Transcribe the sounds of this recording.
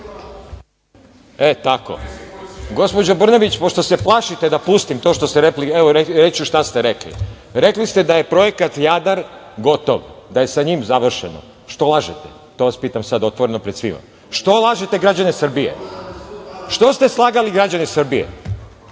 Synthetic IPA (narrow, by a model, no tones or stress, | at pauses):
et̪ako̰ | ɡo̞spo̞d͡ʑobr̩neʋit͡ɕpo̞ʃt̪o̞se̞plˠaʃit̪e̞d̪apust̪imt̪oʃt̪ost̪eɾelieʋoeɾet͡ɕuʃt̪ast̪e̞ɾeklḭ | ɾe̞klist̪e̞d̪aje̞pɾo̞jekat̪jad̪aɾɡo̞t̪o̰ʋd̪aje̞saɲimzaʋr̩ʃḛno̰ | ʃt̪o̞lˠaʒet̪e | t̪o̞ːʋaspiːt̪amsad̪o̞t̪ʋo̞ɾe̞no̞pɾe̞d̪sʋḭma̰ | ʃt̪o̞lˠaʒet̪e̞ɡɾad͡ʑanesr̩bijḛ | ʃt̪o̞st̪e̞slˠaːɡaliɡɾad͡ʑanesr̩bijḛ